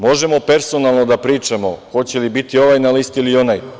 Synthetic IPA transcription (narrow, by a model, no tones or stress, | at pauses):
mo̞ʒe̞mo̞pe̞ɾso̞nalˠno̞d̪apɾiːt͡ʃamo̞̰xo̞t͡ɕe̞libit̪io̞ʋajnalist̪ilio̞naj